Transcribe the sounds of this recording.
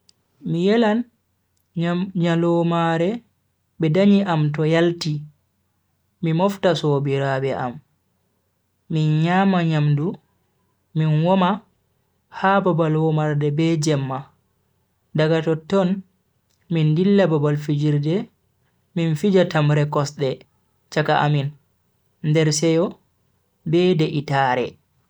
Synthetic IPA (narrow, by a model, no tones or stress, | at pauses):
mijɛlan | ɲalɔmaɾɛ | bɛdaɲiʔamtɔjalti | mimɔftasɔbiɾabɛʔa̰m | inɲaːmaɲamdu | minwɔma | hababalwɔmaɾdɛbɛd͡ʒɛmːa | daɡatɔtːɔn | mindilːababalfid͡ʒiɾdɛ | minfid͡ʒatamɾɛkɔsɗɛ | t͡ʃakaʔa̰min | ndɛɾsɛjɔ | bɛdɛʔitaːɾɛ̰